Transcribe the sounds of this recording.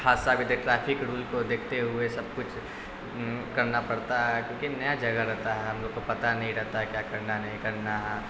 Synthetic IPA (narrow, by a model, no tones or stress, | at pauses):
kʰaːsːabʱid̪eʈɾɛːpʰɪkɽuːlkod̪eːkʰt̪eɦuesɐb̚kʊt͡ʃʰ | kɐɾnapɐɽt̪aɦɛkjõːkinɐjad͡ʒɐɡəɾɛɦt̪aɦɛɦɐ̃mloːɡ̚kopɐt̪anɐɦĩɾɛɦt̪aɦɛkjakɐɾnanɐɦĩkɐɾnaɦɛː